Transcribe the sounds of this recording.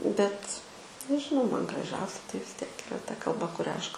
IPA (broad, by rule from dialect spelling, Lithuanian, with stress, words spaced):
bʲɛt nʲɛʒʲɪˈnɐʊ ˈmɐn ɡrɐˈʒʲɛʊsʲɛ tɐɪ ʋʲɪs ˈtʲiɛk ɪˈrɐ tɐ kɐlˠˈbɐ kʊˈrʲɛ ˈɐʃ kɐ